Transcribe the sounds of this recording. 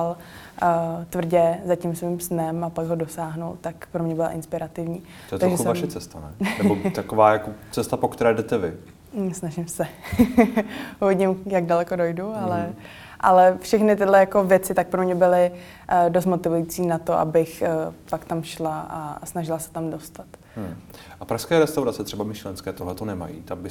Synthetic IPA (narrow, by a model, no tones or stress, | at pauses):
al | t̪vr̩ɟɛzacimsvimsnɛmapaɡɦodo̞saːɦnult̪akpɾomɲɛbɪla̰ʔɪnspɪɾat̪ɪvɲiː | t̪oɛt̪aɡʒɛsvamʃɛt͡sɛst̪anɛ̰nɛbot̪akovaːjakot͡sɛst̪apokt̪ɛɾɛːdɛt̪ɛvɪ̰ | snaʒɪmsɛ | uvɪɟɪmjaɡdalɛkodojdualɛ | ʔa̰lɛfʃɛxnɪt̪ɪdlɛjako̞vjɛt͡sɪt̪ak̚pɾomɲɛbɪlɪ | dost̪mo̞t̪ɪvujit͡siːnat̪oʔa̰bɪxpakt̪amʃlaʔasnaʒɪlasɛ̥t̪amdo̞st̪at̪ | ʔapɾaʃskɛːɾɛst̪awɾatt͡sɛt̪r̝ɛbamɪʃlɛnskɛːt̪oɦlɛt̪onɛma̰jḭːt̪ambɪ